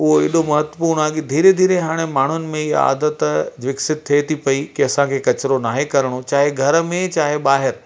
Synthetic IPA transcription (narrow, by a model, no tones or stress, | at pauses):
ʊɦoɪ̰ːɗomɐɦət̪wəpuːɾɽ̃aːɡid̪ʱiːɾed̪ʱiːɾeɦaːɽ̃emaːɳ̤ʊnɪ̆mẽɪɦa̰ːd̪ət̪d͡ʑʋɪksɪt̪̚t̪ʰːiet̪ʰipɐikiɐsãkʰeːkɐt͡ɕɾonaːɦekɐɾəɽ̃ot͡ɕaːɦeɡʱɐɾmẽt͡ɕaːɦeɓaːɦɪɾ